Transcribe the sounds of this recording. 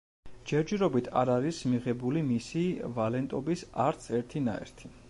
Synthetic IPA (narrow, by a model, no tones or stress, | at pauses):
d͡ʒɛɾd͡ʒɛɾɔbit̪ʰa̰ɾaɾismiʁɛbulimisivalɛnt̪ʼɔbisaɾt̪sʰɛɾt̪ʰina̰ɛ̰ɾt̪ʰi